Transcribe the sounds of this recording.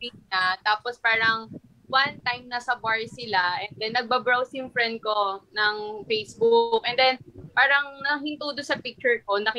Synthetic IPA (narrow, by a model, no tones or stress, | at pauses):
inat̪aːpospaːɾɐŋ | want̪ajmnɐsɐbaɹsɪlaʔɛnd̪ɛnːɐɡ̚babɹawsjʊŋfɹɛnd̪̚konɐŋfejsbʊk̚ʔɛnd̪ɛnpaːɾɐŋnɐɦɪnt̪uːd̪ʊnsɐpik̚t͡ʃʊɹko̞nɐk